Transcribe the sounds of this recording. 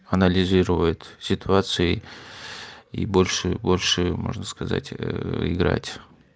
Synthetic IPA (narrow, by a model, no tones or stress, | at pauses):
ɐnəlʲɪzʲiɾəvəjʊt̪sʲɪt̪ʊat̪sɨɪ | ḭbolʲʂɨbolʲʂɨmo̰ʐnəskɐza̰tʲɪ̰ɡɾa̰tʲ